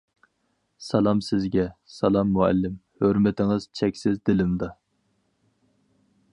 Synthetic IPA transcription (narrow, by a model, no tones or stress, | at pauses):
sɛlˠɑmsɪzɡʲɛsɛlˠɑmːuɛ̰lːɪmhøɾmɪt̪ʰɪŋɨz̥t͡ʃʰɛkʲsɪzd̪ɪlɪmd̪ɑ